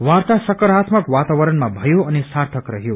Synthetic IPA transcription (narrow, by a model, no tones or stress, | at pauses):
ʋaɾt̪asʌkʌɾat̪ʰmʌkʋat̪aʋʌɾʌnmabʱʌjoʌnisaɾt̪ʰʌkɾʌɦjo